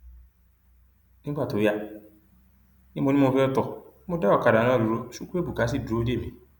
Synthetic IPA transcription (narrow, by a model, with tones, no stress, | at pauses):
nĩ˦ka˦˨to˨ja˦ | nĩ˦mõ˨nĩ˦mʊ̃˨˦fe˦ɔ˦tɔ˨˦mʊ̃˦da˦ɔ˨ka˨da˨nɔ̃˦˨ɾu˨ɾo˦su˦ku˦e˦bu˨ka˨˦s̬i˦˨do˨˦de˦˨mĩ˨